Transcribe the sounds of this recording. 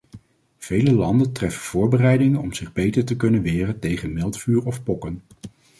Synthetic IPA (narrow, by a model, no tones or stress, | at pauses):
v̥ejləlɑndəntrɛfənv̥ʊːɹbərɛjdɪŋənɔmz̥ɪχbejtəɹtəkɵnənʋɪːrəntejχənmɪlˠtfyːɹɔfpɔkən